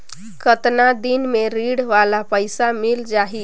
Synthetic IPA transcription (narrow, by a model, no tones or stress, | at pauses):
kət̪nad̪inmeɾiɽʋalapəjsamild͡ʒaɦi